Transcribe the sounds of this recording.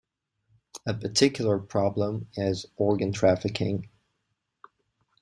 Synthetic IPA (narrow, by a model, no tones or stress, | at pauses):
ɨpʰə˞tʰɪkʰjl̩ˠə˞pʰɹ̥ɑblə̃mɪzɔɹɡɨ̃ntʰɹ̥æfɨkʰɪ̃ŋ